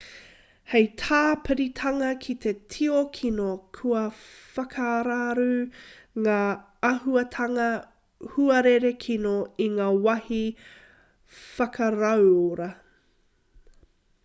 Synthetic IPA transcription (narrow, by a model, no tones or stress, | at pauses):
hejt̪ʰaːpɨɾit̪ʰɐŋɐkʰit̪ʰe̞tʰiokʰinokʰuɐfɐkʰɐːɾaɾu | ŋaː | ɐɦuɐt̪ʰɐŋɐ | huɐɾeɾekʰinoiŋaːwɐhi | fɐkɐɾɐwoɾɐ